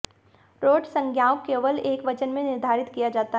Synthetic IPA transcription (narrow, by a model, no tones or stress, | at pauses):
ɾoːɖsɐ̃ŋɡʱjaːʊkːeːʋəleːkʋɐt͡ʃənmẽnɪɾd̪ʱaːɾɪt̪kijad͡ʒaːt̪a